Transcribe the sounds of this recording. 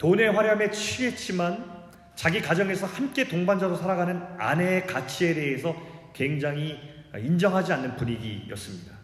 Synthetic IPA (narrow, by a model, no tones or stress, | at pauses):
tone̞ɸwaɾjʌme̞t͡ɕʰiɦe̞t͡ɕ͈iman | t͡ɕaɡikad͡ʑʌŋe̞sʰʌhamk͈e̞toŋband͡ʑaɾosʰaɾaɡanɯna̰ne̞kat͡ɕʰie̞de̞ɦesʰʌkwe̞ŋd͡ʑaŋɦiind͡ʑʌŋɦad͡ʑianːɯnpuɲiɡḭjʌ̰s͈ɯmɲida